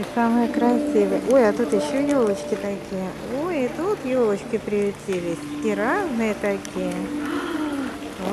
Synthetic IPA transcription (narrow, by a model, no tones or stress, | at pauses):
isaməjəkɾɐsʲivəjəʔo̞jɐt̪ut̪jɪɕːojolˠət͡ɕkʲɪt̪ɐkʲʰijə | ojɪt̪ut̪jo̞lˠət͡ɕkʲɪpɾʲɪlʲɪtʲilʲɪsʲɪɾaznɨjət̪ɐkʲijə